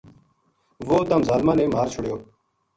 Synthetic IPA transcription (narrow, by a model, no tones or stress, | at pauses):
ʋoːt̪əmzaːlmãːneːmʱaːɾt͡ʃʰʊɽjoː